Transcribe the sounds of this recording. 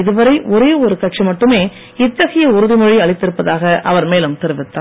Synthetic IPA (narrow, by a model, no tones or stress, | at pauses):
ɪðɯʋɐɾɐɪʔɔɾeːɔɾɯkɐʈ̚t͡ʃimɐʈːɯmeː | ɪt̪ːɐɣɐjɐʊɾɯðɪmɔɻiɐɭɐɪt̪ːɪɾɯpːɐðaːɣɐʔɐʋɐɾmeːlɯmt̪ɛɾɯʋɪt̪ːaː